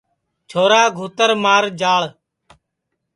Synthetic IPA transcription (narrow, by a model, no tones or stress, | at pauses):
t͡ʃʰoːɾaːɡʱuːt̪əɾmaːɾd͡ʒaːɭ